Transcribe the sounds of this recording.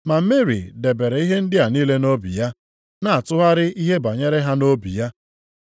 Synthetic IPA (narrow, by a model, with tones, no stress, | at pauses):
ma˨m̩˦me˦ɾḭ˨de˨be˨ɾe˨i˦ɦe˦n̩˦dɪ˦a˨niː˦le˦no˦bḭ˨ja˦ | na˨a˨tʊ˦ɦa˦ɾɪ˦i˦ɦe˦ba˨ɲe˦ɾe˦ɦa˦no˦bḭ˨ja˦